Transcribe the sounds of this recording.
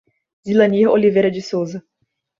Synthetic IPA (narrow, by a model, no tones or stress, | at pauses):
zilɐ̃niolivejɾɐd͡ʒɪsowzɐ